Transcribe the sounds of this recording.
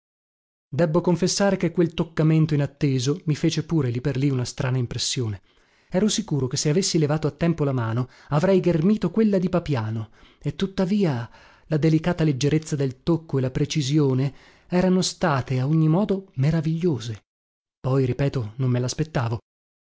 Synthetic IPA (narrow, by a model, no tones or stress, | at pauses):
d̪ɛbːokoɱfesːaːɾekekːwelt̪okːament̪oinat̪ːeːzomifeːt͡ʃepuːɾeliperliunast̪ɾʔaːnaimpɾesːjoːne | ɛːɾosikuːɾokesːeavesːilevaːt̪oat̪ːɛmpolamaːno | avɾɛjɡermiːt̪okwelːad̪ipapjaːnoet̪ːut̪ːaviːa | lad̪elikaːt̪aled͡ʒːeɾet̪sːad̪elt̪okːoelːapɾet͡ʃizjoːne | ɛːɾanost̪aːt̪eaoɲːimɔːd̪omeɾaviʎːoːze | pɔjɾipɛːt̪onomːelaːspet̪ːaːvo